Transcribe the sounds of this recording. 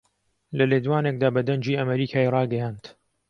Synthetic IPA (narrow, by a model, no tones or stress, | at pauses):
lɐleːd̪waːneːk̚d̪aːbɐd̪ɐɲd͡ʒiːɐmɐɾiːkʰaːirˤɑːɡɐjaːnt̪